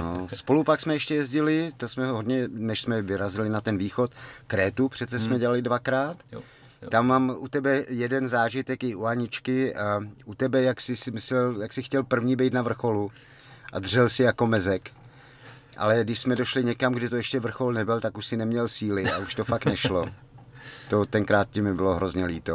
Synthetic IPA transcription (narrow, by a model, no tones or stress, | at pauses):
nospo̞lupaksmɛjɛʃcɛjɛzɟɪlɪt̪osmɛɦoɦodɲɛnɛʃsmɛvɪɾazɪlɪnat̪ɛnviːxo̞t̪kɾɛːt̪upr̝̥ɛt̪t͡sɛsmɛɟɛlalɪdvakɾaːt̪ | t̪amːaːmʔut̪ɛbɛjɛdɛnzaːʒɪt̪ɛkɪuaɲɪt͡ʃkɪaʔut̪ɛbɛjaksɪsɪmɪslɛljaksɪxcɛlpr̩vɲiːbɛjt̪navr̩xo̞lu | ʔa̰d̪r̝̥ɛlsɪjako̞mɛzɛk | ʔa̰lɛɡdɪʃsmɛdoʃlɪɲɛkamɡdɪt̪oɛʃcɛvr̩xo̞lnɛbɪlt̪akuʃsɪnɛmɲɛlsiːlɪauʃt̪ofaktnɛʃlo | t̪ot̪ɛŋkɾaːt̪̚cɪmɪbɪloɦɾozɲɛliːt̪o